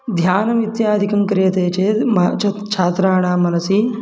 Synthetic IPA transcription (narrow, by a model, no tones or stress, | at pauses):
d̪ʱjaːnɐmid̪jaːd̪ʱikɐmkɾijɐt̪eːt͡ʃeːmat͡ʃʰɐt̪t͡ʃʰaːt̪ɾaːɳ̃aːmɐnɐsi